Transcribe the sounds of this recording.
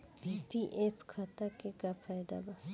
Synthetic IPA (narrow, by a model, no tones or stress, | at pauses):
piʔepʰkʰat̪akekapʰajd̪a̰ba